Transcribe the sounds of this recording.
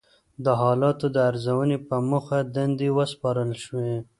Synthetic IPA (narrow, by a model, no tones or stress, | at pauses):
d̪əɦɑlɑt̪od̪əaɾzawənepəmuxad̪and̪ewəspɑɾəlʃwe